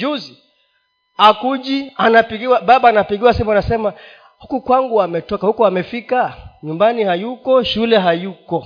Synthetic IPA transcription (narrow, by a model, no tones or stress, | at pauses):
d͡ʒuzi | akuʄianapiɡiwaɓaɓaːnapiɠiwasimuanasɛma | hukukwaŋɡuamɛtɔkahukuamɛfikaɲumbanihajukɔʃulɛɦajukɔ